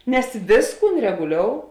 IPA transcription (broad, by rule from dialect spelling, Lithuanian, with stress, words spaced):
nʲɛs ˈʋʲeːsˌkuːn rʲɛɡʊˈlʲoːʊ